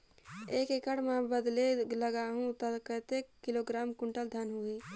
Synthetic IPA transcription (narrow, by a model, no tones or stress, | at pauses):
eːkekəɽmẽbəd̪leləɡaɦũt̪əkət̪ekːiloɡɾaːmkuɳʈəld̪ʱjanɦuɦi